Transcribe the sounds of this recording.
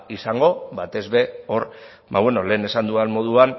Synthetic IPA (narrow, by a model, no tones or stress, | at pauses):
isaŋɡo̞βat̪e̞zβe̞o̞ɾ | ba̰βwe̞no̞le̞ːne̞sand̪uanmo̞ðuan